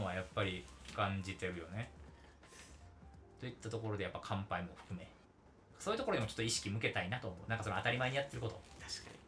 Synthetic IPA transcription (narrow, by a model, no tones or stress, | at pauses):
βajapːaɾʲikãɲ̟d͡ʑit̪e̞ɾɯ̟jo̞ne̞ | t̪o̞it̪ːat̪o̞k̬o̞ɾo̞d̪ejapːakʰãmpaimo̞ɸɯ̥kɯ̟me̞ | ksoːiɯ̟t̪okood̪eot͡ɕot̪ːoiɕi̥kʲimɯ̟ke̞t̪ainat̪o̞ːmo̞ɯ̟nãŋkasonoat̪aɾʲimaeɲ̟ijat̪ːe̞ɾɯ̟ko̞t̪o̞t̪ḁɕka̰ɲi